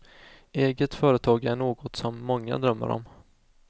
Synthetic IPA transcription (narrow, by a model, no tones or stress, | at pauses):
eːɡət̪fœːɾət̪ʰɑːɡæɳoːɡɔt̪sɔmːɔŋːa̰d̪ɾœmːə̰ɾɔ̰m